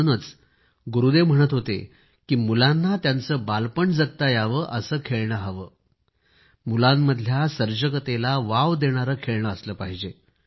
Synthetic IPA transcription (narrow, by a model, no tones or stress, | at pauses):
nət͡s | ɡuɾud̪em̤əɽ̃ət̪ɦot̪e | kiːmulanːat̪jant͡səːbalpəɳd͡zəɡ̚t̪ajaʋəːʔəsəːkʰeɭɳəɦəʋəː | mulamːəd̪ʱjasəɾd͡ʑəkət̪elaʋaʋd̪eɽ̃aɾəkʰeɭɳəəsləːpaɦid͡ʑe